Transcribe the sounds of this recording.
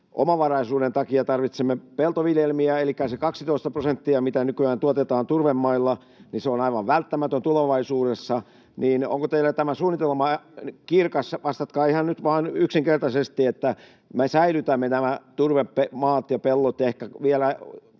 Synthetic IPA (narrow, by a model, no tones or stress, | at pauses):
ʔo̰mɑʋɑrɑisuːɾent̪ɑkiɑt̪ɑrʋit̪semːepelt̪oʋiljelmiæelikːæsekɑksit̪oist̪ɑprosent̪ːiɑmit̪ænykyæːnt̪uot̪et̪ɑːnt̪urʋemːɑilːɑ | niseonɑiʋɑʋʋælt̪ːæmæt̪ønt̪uleʋɑisuːdesːɑ | niːno̰ŋkot̪eilæt̪æmæsuːnːˑit̪elmɑkirkɑsʋɑst̪ɑt̪kɑːihɑnnyt̪ʋɑːnyksiŋkert̪ɑsest̪iet̪ːæ | mesæilyt̪æmːenæmæt̪urʋeppemɑːt̪jɑpelːot̪ehkæʋielæ